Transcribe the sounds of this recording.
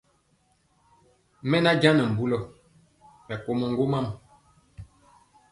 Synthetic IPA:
mɛ˦na˦d͡ʒa˦nə˨m̩˨bu˦lɔ˨ | mɛ˨ko˨mo˨ŋ˦ɡo˦ma˦˨m˨

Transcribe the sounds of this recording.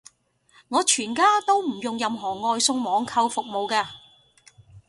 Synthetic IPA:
ŋɔː˨˧t͡ʃʰyː˨˩nkaː˥t̪o˥wm̩˨˩jʊ˨ŋjɐ˨mɦɔː˨˩ŋɔː˧jsʊ˧ŋmɔː˨˧˥ŋkʰɐ˧wfʊ˨k̚mo˨wkaː˧

